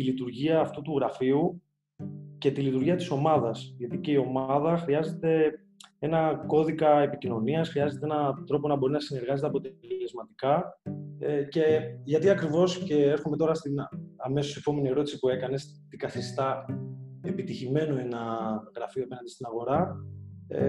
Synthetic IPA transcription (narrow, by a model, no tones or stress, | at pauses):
t̪ilit̪uɾʝiɐːft̪ut̪uɣɾɐfiu | ce̞t̪ilit̪uɾʝiɐt̪i̥so̞mɐðɐsʝɐt̪ice̞io̞mɐðɐxɾiɐze̞t̪e̞ | e̞nɐko̞ðikɐepicino̞niɐsxɾiɐze̞t̪eenɐt̪ɾo̞po̞nɐbo̞ɾinɐsine̞ɾɣɐze̞t̪eɐpo̞t̪elezmɐt̪ikɐ | ce̞ʝɐt̪iɐkɾivo̞sce̞eɾxume̞t̪o̞ɾɐst̪inɐme̞sosiepo̞me̞nieɾo̞t̪i̥sipue̞kɐne̞s | t̪iɡɐθist̪ɐ | e̞pit̪içime̞noe̞nɐɣɾɐfioɐpe̞nɐnd̪ist̪inɐɣo̞ɾɐ | ḛ